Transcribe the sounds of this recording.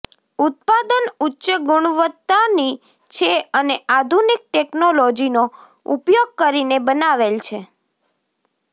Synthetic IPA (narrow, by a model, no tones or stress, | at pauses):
ut̪̚pad̪ənutːʃəɡʊɽ̃ʋət̪ːani | t͡ʃʰeənead̪ʱunik̚ʈeknolod͡ʒino | ṵpjoɡ̚kəɾinebənaʋelt͡ʃʰe